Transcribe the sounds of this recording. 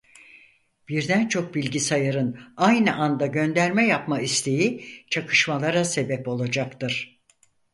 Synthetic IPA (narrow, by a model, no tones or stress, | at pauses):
b̥iɾd̪ænt͡ʃʰo̞k̚bilʲɟisajaɾɯnajnɯʔand̪aɟø̞nd̪æɾmɛjapmaist̪ʰe̞jit͡ʃʰakʰɯ̥ʃmalˠaɾase̞bɛpo̞lˠad͡ʒakt̪ɯɾ̥